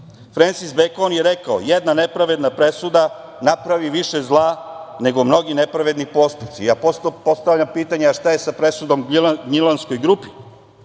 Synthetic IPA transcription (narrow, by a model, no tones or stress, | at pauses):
fɾensizbekonjeɾekao̰jed̪nane̞pɾaʋe̞d̪napɾe̞sud̪a | napɾaʋiʋiʃezlˠaːne̞ɡo̞mno̞ɡine̞pɾaʋe̞d̪nipo̞st̪up̪siapopo̞st̪avʎʲampiːt̪aɲeaʃt̪aje̞sapɾe̞sud̪o̞mɡɡɲilansko̞jɡɾupi